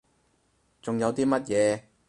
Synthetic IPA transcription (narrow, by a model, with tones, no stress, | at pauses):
t͡sʊ˨ŋjɐ˨˧wt̪iː˥mɐ˥t̚jɛː˨˧